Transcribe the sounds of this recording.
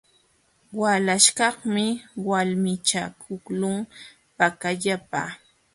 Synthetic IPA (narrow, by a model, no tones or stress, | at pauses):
walaʃkɑχmɪwalmɪt͡ʃakʰʊklʊŋ | pakaʎapa̰ː